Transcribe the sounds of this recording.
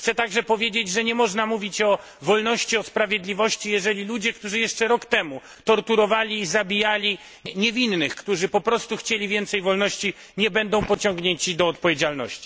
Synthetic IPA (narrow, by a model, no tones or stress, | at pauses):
xt̪sɛt̪aɡʐɛpɔvʲjed͡ʑed͡ʑʐɛɲɛmɔʐnamuvʲit͡ɕɔ | vɔlnɔɕt͡ɕiɔspɾavʲjed̪lʲivɔɕt͡ɕijɛʐɛlʲilud͡ʑɛkt̪uʐɨjɛʂt͡ʂɛɾɔkt̪ɛmu | t̪ɔɾt̪uɾɔvalʲiːzabʲijalʲi | ɲɛvʲinːɘxkt̪uʐɘpɔpɾɔst̪uxt͡ɕelʲivʲjɛnt̪sɛjvɔlnɔɕt͡ɕi | ɲɛbɛnd̪ɔ̃w̃pɔt͡ɕɔŋɡɲeɲt͡ɕid̪ɔːt̪̚pɔvjed͡ʑalnɔ̰ɕt͡ɕi̥